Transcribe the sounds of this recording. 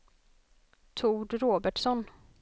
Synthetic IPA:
t̪ʰuːɖɾoːbæʈʂɔn

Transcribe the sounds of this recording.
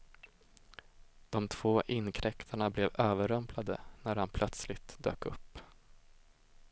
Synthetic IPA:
d̪̥ɔmt̪ʰv̥oːʔɪnkʰɾɛkt̪ʰaɳablɛvøːvəɾœmpʰlad̪ə̰næɾhanpʰlœt̪slɪt̪d̪ø̰ːkɵpː

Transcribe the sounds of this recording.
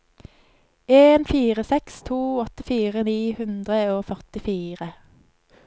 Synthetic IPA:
eːnfiːʁəsɛkst̪ʰuːɔt̪əfiːʁəniːhʉnd̪ʁəoːfœʁt̪ɪfiːʁə

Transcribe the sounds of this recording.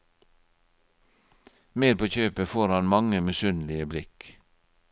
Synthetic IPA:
meːdpʰoːçøːpəfoːɾhɑnmɑŋəmɛsʉnlɪəblɪk

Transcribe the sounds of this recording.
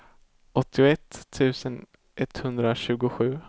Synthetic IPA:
ʔɔt̪ʰːɪʊɛt̪ʰːʉ̟ːsən | ʔɛt̪hɵnd̪ɾaɕʉ̟ːɡʊɧʉ̟ː

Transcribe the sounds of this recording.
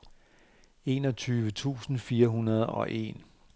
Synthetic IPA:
e̝̰nɒ̽t͡sʰyːʋət͡sʰṵːsn̩fiːɐɦunɐð̞ˠɒ̽ʔe̝̰n

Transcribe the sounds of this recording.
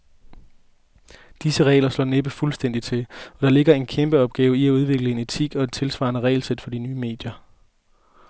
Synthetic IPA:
d̥isəʁɛ̰ːɪlɐslɒ̰ːneb̥əfulsd̥en̰d̥it͡sʰe̝lɒ̽ɾ̥ɑ̈le̝ɡ̥ɐe̝nkʰemb̥əɒ̽b̥ɡ̥ɛːʊiæuð̞ˠʋe̝ɡ̥ləe̝ne̝t͡sʰiɡ̥ɒ̽e̝d̥t͡sʰe̝lsʋɑ̈ːnəʁɛ̰ɪlsed̥fɒ̽dinyːme̝̰ːd̥jɐ

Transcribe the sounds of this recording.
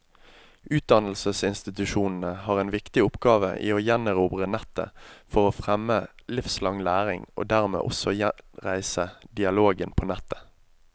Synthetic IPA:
ʉːt̪̚d̪ɑnl̩səsɪnst̪ɪt̪ʉʃuːnn̩əhɑːʁeːnʋɪkt̪ɪʊpɡɑːʋə̰ʔḭːoːjænəʁuːbʁənɛt̪ːə̰fɔʁoːfʁɛmːəlɪfslɑŋlæːʁɪŋʔo̰ːd̪æʁmḛːʔɔsɔjɛʁæɪsəd̪ɪɑloːɡənpʰoːnɛt̪ʰːə̥

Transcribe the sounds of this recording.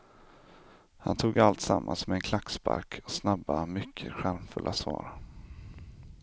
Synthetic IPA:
hant̪ʰuːɡalt̪samːansmɛɛnkʰlakspa̰ɾkʰɔ̥snabamʏkʰːəɧæɾmfɵlʔasvɑːɾ

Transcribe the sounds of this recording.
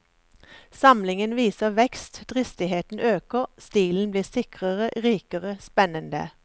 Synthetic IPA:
sɑmlɪŋənʋiːsəʋɛkst̪d̪̥ʁɪst̪ɪheːt̪n̩ʔøːkəʁst̪iːln̩bliːʁsɪkʁəʁəʔʁiːkəʁəspɛnənd̪ə̰

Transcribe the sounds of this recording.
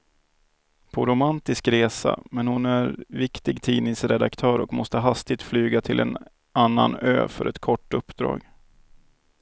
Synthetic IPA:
pʰɔɾʊmant̪ɪskɾeːsa̰mɛnhʊnæɾvɪkt̪ɪɡt̪ʰiːnɪŋsɾɛd̪akt̪ʰœːɾɔkmɔst̪əɦast̪ɪt̪flyːɡat̪ʰɪlʔɛ̰n | anːa̰nø̰ːfœɾʔɛt̪kʰɔʈːɵpːd̪ɾɑ̰ːɡ

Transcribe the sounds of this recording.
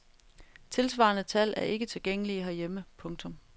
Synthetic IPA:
t͡sʰe̝lsʋɑ̈ːnət͡sʰæl̰æɐe̝ɡ̥ət͡sʰe̝lɡ̥eŋ̰əliɦæɐjeməpʰɔ̽ŋt͡sʰɔ̽m

